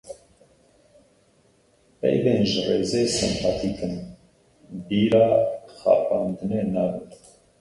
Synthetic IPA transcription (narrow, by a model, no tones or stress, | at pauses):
pɛ̰jbɛnʒərɛzɛsə̰nt̪ʰɑt̪ʰikʰən | biɾɑχɑ̰pɑnd̪nɛnɑvə